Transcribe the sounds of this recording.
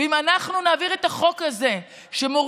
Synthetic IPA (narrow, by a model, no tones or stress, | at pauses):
imanaχnunaːviʁe̞t̪aχo̞kaze̞ | ʃe̞mo